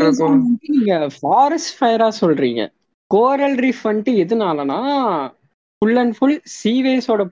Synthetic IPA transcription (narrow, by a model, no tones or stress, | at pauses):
ɐɔɐʋɐnd̪ɯniːŋɡɐfaːɾɐsʈfɐjɐɾaːsɔlɾḭːŋɡɐ̰ | koːɾɐlɾifɐɳʈiɛðɯnaːlɐnãː | fʊɭːɐnfʊɭsiːʋeːsoːɽɐ